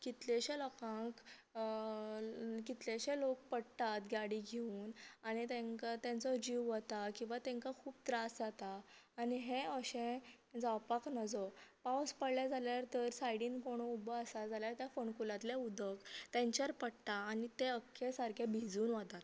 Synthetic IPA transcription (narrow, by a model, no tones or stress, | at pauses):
kit̪leɕelɔkãŋk | kit̪leɕelok̚pəɽt̪at̪ɡjaɽiɡʱeuːnañit̪ẽŋkat̪ɛ̃nt͡sɔd͡ʑiʋʋət̪akĩw̃ʋat̪ɛ̃ŋkakʰuːb̚t̪ɾasd͡zat̪aː | niɦeəɕẽ | d͡zawpaknəd͡zɔpawspəɽljad͡zaljaɾt̪əɾsaiɽiːnkoɽ̃ɔubɔəsad͡zaljaɾt̪jafoɳkulãt̪ljaud̪ʱəkt̪ɛ̃ɲt͡ɕaɾpəɽt̪aːnit̪eəkʰːesaɾkʰebʱid͡zuːnʋət̪at̪